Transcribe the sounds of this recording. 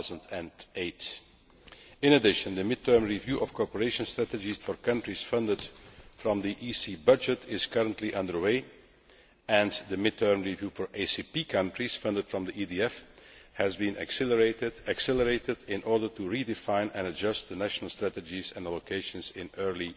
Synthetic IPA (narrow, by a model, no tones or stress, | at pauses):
zə̃ndɛ̃neɪt | ɪ̃nədɪʃə̃nd̪əmɪd̚tʰɜ˞mɹivjuʔɔfkɔɹpəɹeɪʃə̃nstɹ̥ætəd͡ʒisfɔɹkʌ̃ntɹ̥isfʌ̃ndəd̥fɹɔ̃mðiʔisibʌd͡ʒətʰɪz̥kʌɹə̃ntʰliʔʌ̃ndə˞weɪ | ɛ̃nðəmɪd̚tʰɜ˞mɹivjuːfɔɹʔeɪsipikʰʌ̃ntɹ̥iz̥fʌ̃ndəd̥fɹɔ̃mdiʔidiɛfhæzbĩnɨ̰ksɛləɹetɪdæksɛlˠəɹeɪtɪdɪ̃nʔɔɹdə˞tuɹidɪfãɪ̃nɛ̰̃nəd͡ʒʌst̪̚dənæʃnəl̩ˠstɹ̥ætəd͡ʒizɛ̰̃nəlokʰeɪʃə̃nzɪ̃nɜɹli